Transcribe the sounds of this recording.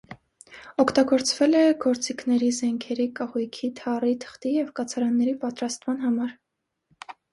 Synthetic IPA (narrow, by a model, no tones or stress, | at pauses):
ɔkʰt̪ɑɡɔɾt͡svɛlɛɡɔɾt͡sikʰnɛɾizɛŋkʰɛɾikɑhujkʰit̪ʰɑrit̪ʰə̥χt̪ijɛvkɑt͡sʰɑɾɑnːɛɾipɑt̪ɾɑst̪mɑnɦɑmɑɾ